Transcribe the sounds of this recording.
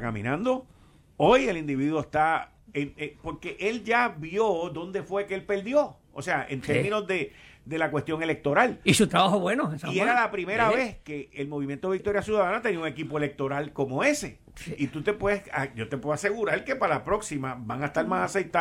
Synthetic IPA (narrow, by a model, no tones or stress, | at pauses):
kamḭ̃nãnd̪o̞ | o̞je̞lind̪iβiðwoest̪a | enepo̞ɾke̞ʔe̞ld͡ʒabjo̞ðo̞nd̪e̞fwe̞keelpe̞ld̪jo̞ | o̰se̞aʔḛnt̪eɾmĩno̞zðe̞d̪e̞lakwe̞st̪jo̞ŋe̞le̞k̚t̪o̞ɾalisut̪ɾaβahoβwenoesaieɾalapɾime̞ɾaβe̞ske̞elmo̞βimjent̪oik̚t̪o̞ɾjasjuðaðanat̪eniauŋe̞kipo̞ele̞k̚t̪o̞ɾalko̞mo̞e̞se̞ | it̪ut̪e̞pwe̞ðesaɟ͡ʝo̞t̪epweðoase̞ɣuɾaɾke̞palapɾo̞ksimabaŋaest̪aɾmasasejt̪a